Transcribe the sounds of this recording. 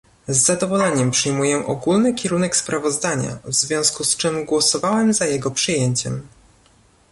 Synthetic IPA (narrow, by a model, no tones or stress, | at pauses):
zːad̪ɔvɔlɛɲɛmpʂɘjmujɛʔɔɡulnɘkʲɛɾunɛkspɾavɔzd̪aɲa̰vzvʲjɔ̃w̃skust͡ʂɘmɡwɔsɔvawɛmzajɛɡɔpʂɘjeɲt͡ɕɛ̰m